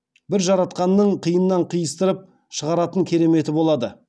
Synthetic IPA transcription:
bɪɾʒɑɾɑt̪̚qɑnːəɴqʰijənəːɑɴqʰijəst̪əɾəp̚ | ʃəʁɑɾɑt̪əŋkʲʰe̞ɾe̞me̞t̪ɪbo̞lˠɑd̪ə

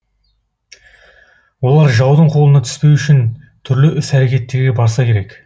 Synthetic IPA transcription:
wo̞lˠɑɾʒɑwd̪əɴqʰo̞lˠənɑt̪ʰʏ̥spe̞wʏʃɪn | t̪ʰʏɾlɪʔʏsæɾe̞kʲe̞t̪ːe̞ɾɡʲe̞bɑɾsɑkʲʰe̞ɾe̞k

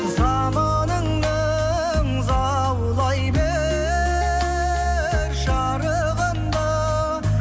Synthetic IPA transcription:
zɑ | mɑ | nəɴ | ə | ŋzɑ | wlˠɑjbe | ɾʒɑ | ɾə | ʁənd̪ɑ

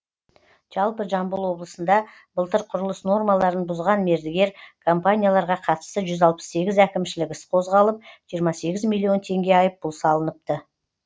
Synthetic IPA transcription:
ʒ̥ɑlˠpəʒɑmbʊlˠwo̞blˠəsənd̪ɑ | bəlˠt̪əɾqʰʊɾəlˠəsno̞rmalˠɑɾənbʊzʁɑnme̞ɾd̪ɪɡʲe̞ɾkʰompanʲijalˠɑɾʁɑqʰɑt̪ə̥st̪əʒʏzɑlˠpə̥sːe̞ɡʲɪzækʲɪmʃɪlɪkʲɪsqʰo̞zʁɑlˠəp̚ʒ̥ijəɾmɑse̞ɡʲɪzmilʲˠijo̞nt̪ʰe̞ŋɡʲe̞ɑjəp̚bʊlˠsɑlˠənəp̚t̪ə

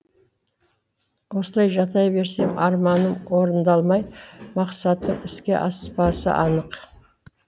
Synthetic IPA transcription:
wo̞səlˠɑjʒɑt̪ɑjbe̞ɾsemɑɾmɑnəmwo̞ɾənd̪ɑlˠmɑjmɑqsɑt̪ːəɴɪskʲe̞̰ʔɑspɑsə̰ʔɑnəq

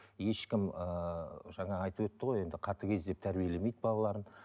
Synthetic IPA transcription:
je̞ʃkʲɪməʒɑɴɑːɑjt̪əpwɵt̪ːɪʁo̞je̞nd̪ɪqʰɑt̪əkʲʰe̞zd̪e̞p̚t̪ʰæɾbije̞le̞me̞jd̪bɑlˠɑlˠɑɾən

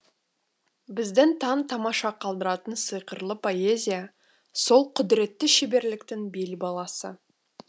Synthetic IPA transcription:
bɪzd̪ɪnt̪ʰɑnt̪ʰɑmɑʃɑqʰɑlˠd̪əɾɑt̪ənsijqəɾlˠəpʰo̞e̞zʲija | so̞lˠqʰʊd̪ɪɾe̞t̪ːɪʃebe̞ɾlɪkt̪ɪŋbelbɑlˠɑsə

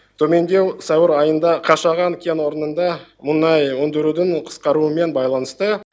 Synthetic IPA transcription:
t̪ʰɵme̞nd̪ʲe̞wsæwɪɾɑjənd̪ɑqʰɑʃɑʁɑŋkʲʰe̞nwo̞ɾənənd̪ɑmʊnɑjwɵnd̪ɪɾud̪ɪɴqʰə̥sqɑɾuəme̞nbɑjlˠɑnəst̪ə

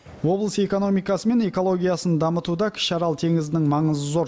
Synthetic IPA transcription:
wo̞blˠəse̞ko̞no̞mijkɑsəme̞ne̞ko̞lˠo̞ɡʲijɑsənd̪ɑmət̪ud̪ɑkʲʰɪ̥ʃɑɾɑlˠt̪ʰe̞ŋɪzɪnɪŋmɑɴəzzo̞ɾ

